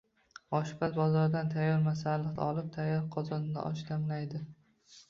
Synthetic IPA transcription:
ɒʃpasbɒzɒɾd̪ant̪ʰajɒɾmasalɨqd̪̰ɒlˠɪp̚t̪ʰajːɒɾqʰɒzɒnɪd̪a̰ʔɒʃd̪amlajd̪ɪ

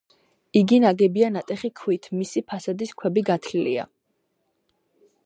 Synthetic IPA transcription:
iɡinaɡɛbianat̪ʼɛχikʰwit̪ʰmisipʰasad̪iskʰwɛbiɡat̪ʰlilia̰

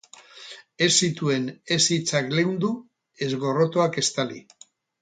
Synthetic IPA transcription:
e̞sːit̪ue̞ne̞sit͡sakle̞wnd̪u | e̞zɣo̞ro̞t̪oake̞st̪alḭ

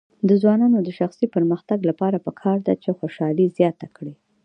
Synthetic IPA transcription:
d̪əzwɑnɑnod̪əʃaxsipəɾməxt̪aɡlapɑɾapəkʰɑɾd̪a̰t͡ʃexoʃɑlizjɑt̪akɽi

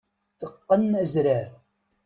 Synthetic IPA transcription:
θəqːənæzɾæɾ

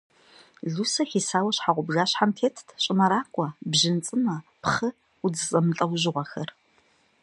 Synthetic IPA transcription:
ɮusɐxiːsaːwɐɕħaʁʷʊbʒaːɕħantʰeːtʰtʰɕʼɪmɐɾaːkʷʼɔbʑɪnt͡sʼɨnɐpχɨ | ud͡zɨzʼɐmɨɬʼɐwʑɪʁʷɔxɐr

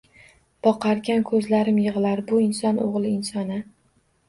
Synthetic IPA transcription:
b̥ɒqʰɑɾɡʲankʰɵzlaɾɪmjɨʁlaɾbʊɪnsɒnʔo̰ʁlˠɪɪnsɒnɪ

